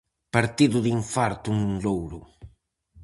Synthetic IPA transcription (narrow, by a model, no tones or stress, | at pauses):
paɾt̪iðʊðiɱfaɾt̪ʊŋuŋlowɾʊ